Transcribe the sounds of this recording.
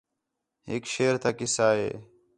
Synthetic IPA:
ɦɪkʃeːɾt̪ʰakɪsaːɦḛː

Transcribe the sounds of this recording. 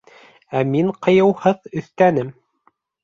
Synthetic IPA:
æmiɴqɤ̆jɤ̆whɤðɵ̆θt̪ænɘm

